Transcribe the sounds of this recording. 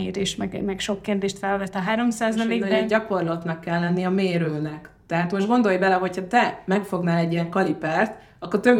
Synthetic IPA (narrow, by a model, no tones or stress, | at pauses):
eːɾeːʃt̪mɛɡ̰mɛkʃo̞kːerd̪eːʃt̪fɛlvɛt̪ːɒɦaːɾo̞msaːzɒleːɡɛɟɒko̞rlɒt̪nɒkːɛlːɛnːiɒmeːɾøːnɛk | t̪ɛɦaːt̪mo̞ʃʒd̪ɡo̞nd̪o̞jbɛlɛɦo̞cʰhɒt̪ɛmɛkfo̞ɡnaːlɛɟːijɛŋkɒlipart̪ | ɒkːort̪øb